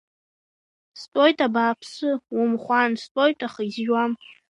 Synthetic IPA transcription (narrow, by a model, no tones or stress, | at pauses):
stʼojtʼabaːpʰsɨwʊmχʷanstʼojtʼaχizʒwam